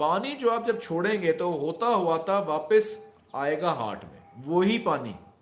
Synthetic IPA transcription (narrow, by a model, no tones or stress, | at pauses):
paːnid͡ʒoːaːp̚d͡ʒɐb̚t͡ʃʰoːɽẽːŋɡet̪oɦoːt̪aɦʊat̪ʰaʋaːpəs | aːeːɡaːɦa̰ːʈʰmḛ̃ʋoːɦipaːnḭː